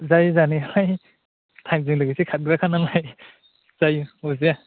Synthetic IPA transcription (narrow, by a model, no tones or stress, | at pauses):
zajzaniɦaj | tʰajmziŋlɯɡisikʰat̚ɡɾakʰanaŋaj | z̥ajuuzia